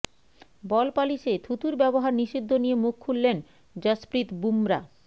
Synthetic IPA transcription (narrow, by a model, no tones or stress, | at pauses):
bɔlpaliʃet̪ʰut̪uɾbɛboɦaɾniʃid̪ʱːonijemukʰːulːen | d͡ʑəspɾit̪bumɾa̰